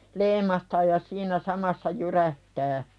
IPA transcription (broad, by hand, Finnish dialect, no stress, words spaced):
leimˑɑhtɑː jɑ siːnæ sɑmɑsːɑ jyræhtæː